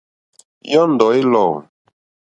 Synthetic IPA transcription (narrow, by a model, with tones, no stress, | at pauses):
jɔ˦n˨dɔ˨e˦lɔ˨wn